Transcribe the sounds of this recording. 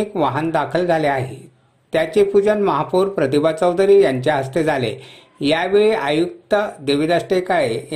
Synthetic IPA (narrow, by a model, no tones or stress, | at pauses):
ikʋaɦənd̪akʰəld͡zʱaleaɦḛ | t̪jat͡ɕepud͡ʑənməɦapuːɾpɾət̪ibat͡səwd̪əɾiːjaɲt͡ɕjaɦəst̪ed͡zʱalḛ | jaʋeɭiʔajuk̚t̪əd̪eʋid̪asʈekae